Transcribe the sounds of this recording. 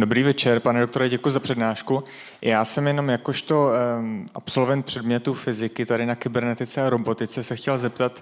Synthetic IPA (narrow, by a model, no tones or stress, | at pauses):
do̞bɾiːvɛt͡ʃɛɾpanɛdokt̪o̞ɾɛɟɛkujuzapr̝̥ɛdnaːʃku | jaːsɛmjɛno̞mjako̞ʃt̪o̞ʔapso̞lvɛnt̪̚pr̝̥ɛdmɲɛt̪ufɪzɪkɪt̪adɪnakɪbɛɾnɛt̪ɪt͡sɛɾobo̞t̪ɪt͡sɛsɛxcɛlzɛpt̪at̪